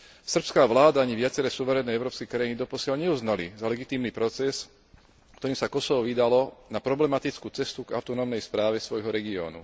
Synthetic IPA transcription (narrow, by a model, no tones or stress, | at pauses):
sr̩pskaːʋlaːd̪aaɲiʋɪat͡sɛɾɛːsuʋɛɾɛnɛːɛʊɾɔːpskɛkɾajinid̪ɔpɔsɪalɲɛuznalḭzalɛɡit̪iːmnipɾɔt͡sɛs | kt̪ɔɾiːmsakɔsɔʋɔʋiːd̪alɔnapɾɔblɛmat̪it͡skuːt͡sɛst̪uɡa̰ʊt̪ɔnɔmnɛjspɾaːʋɛsʋɔjɦɔɾɛɡiɔ̰ːnṵ